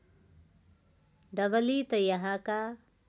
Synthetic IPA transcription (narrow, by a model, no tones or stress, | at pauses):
d̪ɐʋɐliːt̪ɐjɐɦaːka